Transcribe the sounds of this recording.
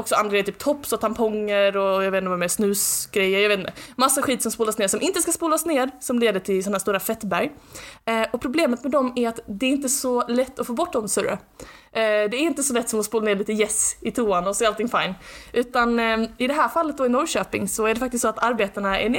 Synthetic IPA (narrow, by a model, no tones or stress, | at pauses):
ɔksɔand̪ɾɡɛjt̪yːp̚t̪ʰɔpːsɔt̪ʰampʰɔŋːəɾɔjaveːt̪nvaɛmeːsnʉ̟ːsɡ̥ɾɛjːəɾjɑaveːt̪nəmasːaɧiːt̪sɔmspuːlasneːʂɔmʔɪnt̪əskaspuːlasneːɾsɔmleːd̪əʈʰɪlsɔnhæːʂstuːɾafɛt̪ːbæɾj | ʔɔpʰɾʊbleːmət̪mɛd̪ɔmæɾat̪d̪ɛæɾɪnt̪əsɔlɛt̪ːɔfoːbɔʈːd̪ɔmsɵɾɾə̰ | d̪ɛæɾɪnt̪əsɔlɛt̪ːsɔmɔspuːlaneːɭiːt̪əjɛsɪt̪ʰuːanɔsɛalt̪ɪŋfaɪnʔʉ̟ːt̪anɪd̪ɛɦæːɾfalːət̪̚d̪ɔːɪnɔɾʃøːpɪ̰ŋsɔæɖɛfak̚t̪ɪst̪sɔat̪aɾbeːt̪aɳaɛ̰ɳ